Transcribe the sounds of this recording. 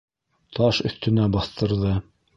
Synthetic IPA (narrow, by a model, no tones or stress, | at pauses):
t̪ʰɑʃɵ̆θt̪ɵ̆næbɑθt̪ɤ̆ɾðɤ